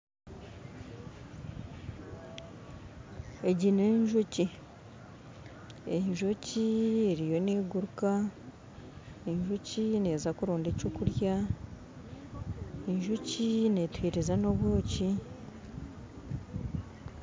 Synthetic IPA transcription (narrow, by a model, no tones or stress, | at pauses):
eɟineɲʒuci | eɲʒocieɾijo̞neːɡuɾuka | eɲʒucine̞zakuɾoːndecokuɾja | eɲʒucine̞twiːɾezano̞βwoːci